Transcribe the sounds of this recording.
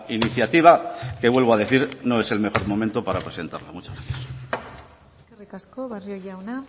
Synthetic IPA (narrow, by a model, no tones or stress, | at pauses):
iniθjat̪iβ̞ake̞βwe̞lβ̞o̞aðe̞θiɾno̞e̞se̞lme̞xo̞ɾmo̞ment̪o̞paɾapɾe̞se̞nt̪a̰ɾla̰mut͡ʃazɣɾaθjas | erekaskoβarjojawna